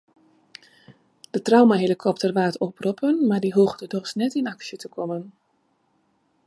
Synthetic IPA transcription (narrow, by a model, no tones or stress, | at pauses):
d̥ətrawmaɦelikʰɔp̚tərʋaːtɔpʰrɔpʰənmadiɦuːɣdədɔxsnɛtinɑksjətəkʰɔmən